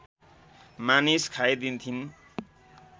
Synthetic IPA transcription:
maniskʰajd̪int̪ʰin

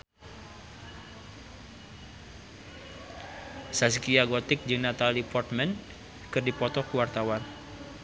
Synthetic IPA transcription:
saskiaɡɔt̪ɪk̚d͡ʒəŋnat̪alipɔrt̪̚mɛn | kɨrdipɔt̪ɔkəwart̪awan

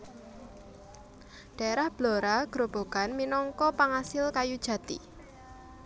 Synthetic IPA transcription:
ɖ̥a̤eɾahb̥loɾaɡ̥ɾob̥o̤ɡ̥anminɔŋkɔpaŋasɪlkajud̥ʒ̥ä̤t̪ḭ

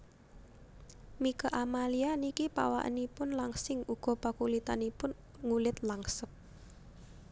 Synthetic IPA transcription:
mikaʔamalianikipa̰wa̰ʔə̰nipʊnlaŋsɪŋuɡ̥ɔ̤pakulit̪anipʊn | ŋulɪt̪laŋsəp̚

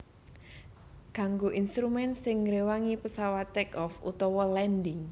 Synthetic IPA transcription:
ɡ̥a̤ŋɡoʔinst̪ɾumɛnsɪŋːɾewaŋipəsawat̪ɛkɔfṵt̪ɔwɔlɛndɪŋ

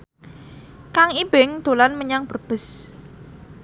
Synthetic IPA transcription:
kaŋib̥ɪŋd̪̥olanməɲaŋb̥ərb̥ə̤s

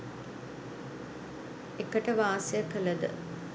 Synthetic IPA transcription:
ekəʈəʋaːsejəkələd̪ə̰

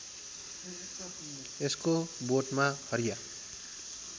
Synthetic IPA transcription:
eskoboʈmãhʌɾija

